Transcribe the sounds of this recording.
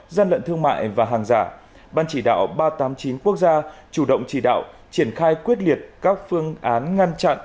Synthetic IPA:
zaː˧nlə̰˧˨nt̪ʰɨ˧əŋma̰ː˧˨jvaː˨˩ɦaː˨˩ŋzaː˧˩ | ɓaː˧nt͡ɕi˧˩ɗa̰ː˧˨wɓaː˧t̪aː˨˦mt͡ɕi˨˦nku˦˥ək̚zaː˧t͡ɕu˧˩ɗə̰˧˨wŋ͡mt͡ɕi˧˩ɗa̰ː˧˨w | t͡ɕi˧˩ənxaː˧jkwi˦˥ət̚li˨˩ət̚kaː˦˥k̚fɨ˧əŋʔaː˨˦nŋa˧ŋt͡ɕa̰˧˨nʔ

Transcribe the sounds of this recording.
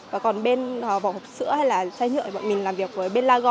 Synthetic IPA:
vaː˨˩kɔ˨˩nɓe˧nː˨˩va̰˧˨whɔ˨˩k͡p̚sɨ̰˧˥əha˧jlaː˨˩saː˧jɲɨ̰˧˨əjɓə̰ː˧˨nmï˨˩ŋ̟laː˨˩mvi˨˩ək̚vəː˨˦jɓe˧nlaː˧ɣɔ˧˨

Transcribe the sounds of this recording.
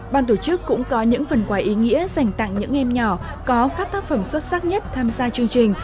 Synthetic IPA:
ɓaː˧nt̪o˧˩t͡ɕɨ˦˥kːʊ̰˧˥ŋ͡mkɔ˨˦ɲɨ̰˧˥ŋfə˨˩nkwaː˨˦jʔi˨˦ŋḭ˧˥əza˨˩jŋ̟t̪a̰˧˨ŋɲɨ̰˧˥ŋʔɛ˧mɲɔ˧˩ | kɔ˨˦xaː˦˥k̚t̪aː˦˥k̚fə˧˩mswə˦˥t̚saː˦˥k̚ɲə˦˥t̚t̪ʰaː˧mzaː˧t͡ɕɨ˧əŋt͡ɕï˨˩ŋ̟

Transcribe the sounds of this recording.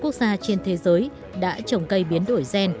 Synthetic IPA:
ku˦˥ək̚zaː˧t͡ɕe˧nt̪ʰe˨˦zəː˨˦j | ɗa̰ː˧˥t͡ɕə˨˩wŋ͡mkə˧jɓi˨˦ənɗo˧˩jzɛ˧n

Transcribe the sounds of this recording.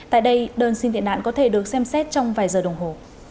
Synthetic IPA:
t̪a̰ː˧˨jɗə˧jɗəː˧nsi˧ŋt̪ḭ˧˨ənɗa̰ː˧˨nkɔ˨˦t̪ʰe˧˩ɗɨ˨˩ək̚sɛ˧msɛ˦˥t̚t͡ɕɔ˧wŋ͡mvaː˨˩jzəː˨˩ɗə˨˩wŋ͡mɦo˨˩

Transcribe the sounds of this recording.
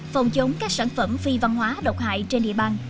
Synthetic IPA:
fə˨˩wŋ͡mt͡ɕo˨˦ŋ͡mkaː˦˥k̚saː˧˩nfə˧˩mfi˧va˧nɦwaː˨˦ɗə̰˧˩wk͡p̚ta̰ː˧˨jt͡ɕe˧nɗḭ˧əɓaː˧n

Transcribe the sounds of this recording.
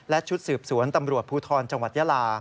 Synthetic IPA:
lɛ˦˥t͡ɕʰu˦˥t̪̚sɯː˨˩p̚su˩˦ənt̪a˧mɾu˨˩ət̪̚pʰuː˧t̪ʰɔː˧nt͡ɕa˧ŋwa˨˩t̪̚jaː˧laː˧

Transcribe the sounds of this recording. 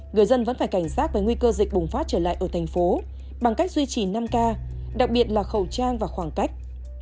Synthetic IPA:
ŋɨ˨˩əjzə˧nvə̰˧˥nfaː˧˩jka˧˩jŋ̟saː˦˥t̚vəː˨˩ŋwi˧kəː˧zï̟˨˩ɓʊ˨˩ŋ͡mfaː˦˥t̚t͡ɕəː˧˩la̰ː˧˨jʔəː˧˩t̪ʰjŋ̟fo˨˦ | ɓa˨˩ŋka˦˥jk̚zwi˧t͡ɕi˨˩na˧mkaː˧ | ɗa˨˩k̚ɓi˨˩ət̚laː˨˩xə˨˩wt͡ɕaː˧ŋvaː˨˩xwaː˧˩ŋka˦˥jk̟̚

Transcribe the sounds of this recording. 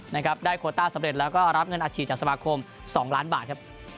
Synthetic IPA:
na˦˥kʰa˦˥p̚daː˥˩jkʰoː˧t̪aː˥˩sa˨˦mɾe˨˩t̪̚lɛː˦˥wkɔː˥˩ɾa˦˥p̚ŋɤ˧nʔaː˧t͡ɕʰiː˥˩t͡ɕaː˨˩k̚sa˧maː˧kʰo˧m | sɔː˩˦ŋlaː˦˥nbaː˨˩t̪̚kʰa˦˥p̚

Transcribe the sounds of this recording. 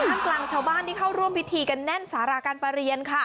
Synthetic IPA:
aː˨˦nklaː˨˩ŋt͡ɕʰaː˥˩wbaː˥˩nt̪ʰiː˥˩kʰa˥˩wɾu˥˩əmpʰi˦˥t̪ʰiː˧ka˧nːɛ˥˩nsaː˩˦ɾaː˧kaː˧npa˧ɾi˧ənkʰa˥˩

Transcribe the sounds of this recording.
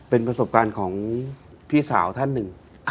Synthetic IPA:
pe˧npɾa˧so˨˩p̚kaː˧nkʰɔː˩˦ŋ | pʰiː˥˩saː˩˦wt̪ʰa˥˩nːɯ˨˩ŋ

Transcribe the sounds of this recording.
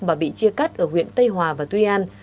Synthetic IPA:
ɓaː˨˩ɓḭ˧˨t͡ɕi˧əka˦˥t̚ʔəː˧˩hwḭ˧˨ənt̪ə˧jɦwaː˨˩vaː˨˩t̪wi˧ʔaː˧n

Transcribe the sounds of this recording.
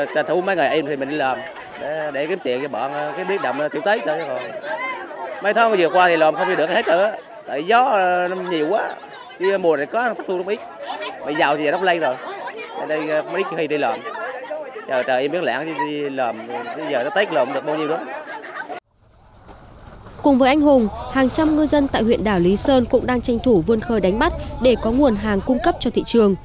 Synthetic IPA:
t̪t̪ʰu˨˦mə˨˦jŋ˨˩ʔi˧mt̪i˨˩m̟˨˩ɗi˧ləː˨˩m | ɗe˧˩ɗe˧˩ki˨˦əmt̪ḭ˨˧˨əŋt͡ɕɔ˧˩ɓɔ̰˧˩n˧kaː˨˦jɓi˦˥t̚ɗə̰˨˩wŋ͡mt̪ḭ˨˧˨əwt̪ə˨˦jt͡ɕəː˧˩˧zo˨˩j | mə˨˦jt̪ʰə˨˦ŋ˧˩zɨː˨˩kwaː˧t̪ʰi˨˩lɔː˨˩mxə˧wŋ͡m̪i˨˩ɗɨ˨˩kht̚əː˧˩ʔaː˨˦ | t̪a̰ː˧˨jzɔ˨˦ɲi˨˩əwkwaː˨˦ | i˧˦mu˨˩na̰ː˨˩jkɔ˨˦˨t̪ʰa˦˥t̪u˧˦wʔi˦˥t̚ma˨˩zaː˨˩wt͡ɕzːŋ͡m̚lə˧jzo˨˩jə˧˩ɗə˧jkm˦ʔi˦˥˧hə˧jɗə˧jləː˨˩m | t͡ɕəː˨˩t͡ɕəː˨˩ʔmɓi˦˥t̚lɛ̰ː˧˦ŋti˧i˧ləː˨˩mɗzəː˨˩nɔ˨˦t̪a˦˥k̚ləː˨˩mɗɨ˨˩ək̚ɓaː˧wɲi˧ɨ˧˦ə˦ | kʊ˨˩ŋ͡mvəː˨˦jʔa˧jŋ̟hʊ˨˩ŋ͡mhaː˨˩ŋt͡ɕa˧mŋɨ˧zə˧nt̪a̰ː˧˨jhwḭ˧˨ənɗaː˧˩wli˨˦səː˧nkʊ̰˧˥ŋ͡mɗaː˧ŋt͡ɕa˧jŋ̟t̪ʰu˧˩vɨ˧ənxəː˧jɗa˨˦jŋ̟ma˦˥t̚ɗe˧˩kɔ˨˦ŋu˨˩ənɦaː˨˩ŋkʊ˧ŋ͡mkə˦˥p̚t͡ɕɔ˧t̪ʰḭ˧˨t͡ɕɨ˨˩əŋ

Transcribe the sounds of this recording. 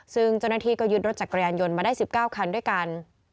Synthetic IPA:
sɯ˥˩ŋt͡ɕa˥˩wnaː˥˩t̪ʰiː˧kɔː˥˩jɯ˦˥t̪̚ɾo˦˥t̪̚t͡ɕa˨˩kːɾa˧jaː˧njo˧nmaː˧daː˥˩jsi˨˩p̚kaː˥˩wkʰa˧ndu˥˩əjka˧n

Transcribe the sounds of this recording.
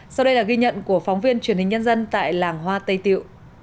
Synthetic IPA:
sa˧wɗə˧jlaː˨˩ɣi˧ɲə̰˧˨nku˧˩əfɔ˨˦wŋ͡mvi˧ənt͡ɕwi˧˩ənhï˨˩ŋ̟ɲə˧nzə˧nt̪a̰ː˧˨jlaː˨˩ŋɦwaː˧t̪ə˧jt̪ḭ˧˨əw

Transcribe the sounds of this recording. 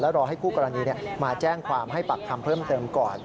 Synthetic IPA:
lɛ˦˥ɾɔː˧ɦa˥˩jpʰuː˥˩kɔː˧ɾa˧niː˧ni˥˩ɐmaː˧t͡ɕɛː˥˩ŋkʰwaː˧mɦa˥˩jpa˨˩k̚t̪ʰa˧mpʰɤː˥˩mt̪ɤː˧mkɔː˨˩

